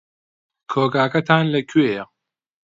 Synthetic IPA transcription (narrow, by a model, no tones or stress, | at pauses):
kʰoːɡaːkɐt̪ʰaːnlɐkʰɥeːjɐ